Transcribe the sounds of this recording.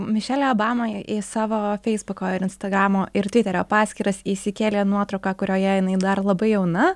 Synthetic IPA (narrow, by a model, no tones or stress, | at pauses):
mʲɪʃʲæːlʲɛːoːbɑːmɐʔɪsɑːʋoːfʲɛɪzbʊkoːɪɾɪnst̪ɐɡɾɑːmoːʔɪɾt̪ʲʋʲɪt̪ʲɛɾʲoːpɑːsʲkʲiːɾɐsiːsʲɪkʲeːlʲeːnuɔt̪ɾɐʊkɑːkʊɾʲoːjɛjɪnɐɪd̪ɐrlˠɐbɐɪjɛʊnɐ